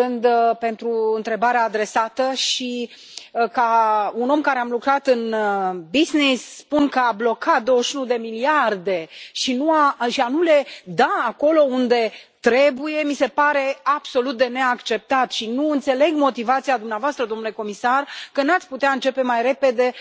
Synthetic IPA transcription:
ɨnd̪pe̞nt̪ɾuɨnt̪ɾe̞baɾeaːd̪ɾe̞sat̪əʃi | kauno̞mkaɾe̞amlukɾat̪ɨnbiznisːpunkəablo̞kʰat̪̚d̪o̞wəʃunud̪e̞miliard̪e̞ʃinuaʃianule̞d̪aːko̞lo̞und̪e̞t̪ɾe̞buje̞mise̞paɾe̞ab̥so̞lut̪̚d̪e̞ne̞akt͡ʃe̞p̚t̪at̪ʃinuɨnt̪se̞le̞ɡmo̞t̪ivat̪sijad̪umneavoast̪ɾəd̪o̞mnule̞ko̞misarkənat̪sʲput̪eaɨnt͡ʃe̞pe̞majɾe̞pe̞d̪e̞

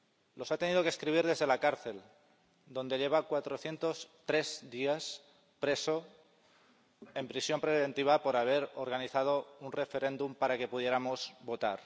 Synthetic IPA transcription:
lo̞sat̪e̞nið̞o̞keskɾiβ̞iɾð̞e̞zð̞e̞lakaɾθe̞l | d̪o̞nd̪e̞ʎe̞β̞akwat̪ɾo̞θje̞nt̪o̞st̪ɾe̞zd̪ias | pɾe̞so̞ | e̞mpɾisjo̞mpɾesiβe̞nt̪iβ̞apo̞ɾaβ̞e̞ɾoɾɣ̞aniθað̞o̞unre̞fe̞ɾẽ̞nd̪umpaɾake̞puð̞je̞ɾamo̞zβo̞t̪aɾ

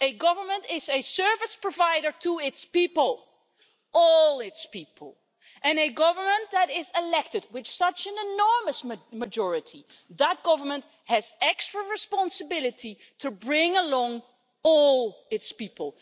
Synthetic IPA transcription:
ɨɡʌvə˞mə̃ntɪzɨsɜ˞vɨspɹɔvaɪɾə˞tʰuɪtspipəlˠ | ʔɔlˠɪtspipʰəl̩ˠ | ʔɨ̃nɨɡʌvə˞mə̃nðəɾɪzɪlɛk̚tɨd̚wɨt͡ʃsʌt͡ʃɨ̃nɨnɔɹməsməd͡ʒɔɹɨtʰi | ðət̚ɡ̥ʌvə˞mə̃nt | hɨzɛkstɹ̥əɹɨspɑ̃nsəbɪlˠɨtʰi | tʰɨbɹɪ̃ŋəlɔ̃ŋ | ɔlˠɪtspipəlˠ

